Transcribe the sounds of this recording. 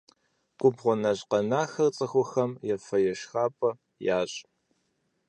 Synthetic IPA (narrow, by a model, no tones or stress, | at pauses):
ɡ̥ʷʼʊbʁʷɔnɐɕqɐnaːxɐrt͡sʼɐxʷɔxɐmjɛfɐjɛʃxaːpʼɐ | jaːɕʼ